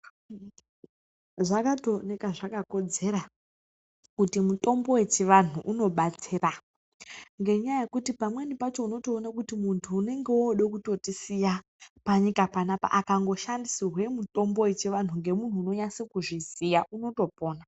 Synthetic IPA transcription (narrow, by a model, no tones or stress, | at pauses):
ʐakatonekaʐakako̞d͡ze̞ɾa | kutimuto̞mbo̞we̞t͡ʃiʋan̤uʔuno̞ɓat͡sira | ŋɡe̞ɲajaje̞kutipamwe̞nipat͡ʃo̞uno̞to̞ːnakutimuntʰuːne̞ŋɡeoɗekuto̞tisija | paɲikapanapa̰ʔakaŋɡo̞ʃandisirwe̞muto̞mbo̞we̞t͡ʃiʋan̤uŋɡe̞mun̤uːno̞ɲasekuʐizijaʔuno̞to̞po̞ːna